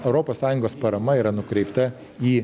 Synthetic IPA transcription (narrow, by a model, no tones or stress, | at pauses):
ɛʊɾoːpoːssɑːjʊŋɡoːspɐɾɐmɐiːɾɐnʊkɾʲɛɪpt̪ɐ | iː